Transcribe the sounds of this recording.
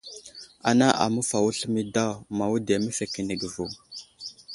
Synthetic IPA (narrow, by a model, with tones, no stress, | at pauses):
a̰˨na˦ʔa̰˨mə˦fa˨wu˦ɬmi˦da˦wma˨wu˦de˨mə˦fe˨ki˨nə˨ɡə˨vu˨